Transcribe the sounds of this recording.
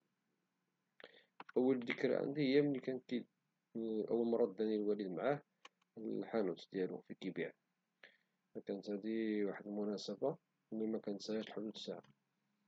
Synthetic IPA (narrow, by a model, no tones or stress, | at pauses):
ʔəwːəld̪əkɾa̰ʕa̰nd̪ihəjːæməlːikænkid̪ | ʔəwːəlmɑɾˤːɑd̪ːænilwælid̪mʕah | ħanut̪d̪jælṵfikibiʕ | mækænət̪hæd̪iwaħəd̪lmʊnæsəba | wlːimækænt̪sæʕæt̪lħod̪ud̪əsːaʕa